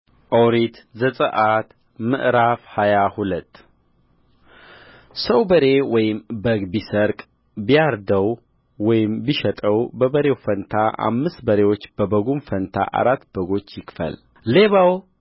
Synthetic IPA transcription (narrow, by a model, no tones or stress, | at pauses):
ʔəwɾit̪zəsʼəʔat̪ | mɨ̰ʔɾafhajahulət̪ː | səwbəɾe̞wɔjɪmbəɡbisəɾkʼ | bijaɾd̪əw | wɔjɪmbiʃɛt̪ʼəwbəbəɾe̞wfənt̪ʰaʔa̰mːɨst̪bəɾe̞wo̞t͡ʃːb̥əbəɡumfənt̪ʰa̰ʔa̰ɾat̪ːb̥əɡo̞t͡ʃːjɪkfə̰l | le̞βaw